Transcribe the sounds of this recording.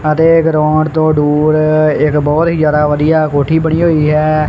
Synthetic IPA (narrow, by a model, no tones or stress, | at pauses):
ət̪eːɡɾɔ̃ːɖt̪õːɖuːɾɪkbɔːt̪ɦiːd͡ʒjaːd̪aːʋəd̪ijaːkoːʈʰiːbəɽ̃iːɦoːiːɦɛː